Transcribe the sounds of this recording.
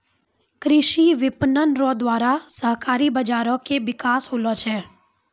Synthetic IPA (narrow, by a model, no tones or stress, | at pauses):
kɾɪʃiʋɪpnənɾõd̪waːɾasəɦkaːɾibɐd͡ʒaːɾõkeʋɪkaːsɦoːlot͡ʃʰɛː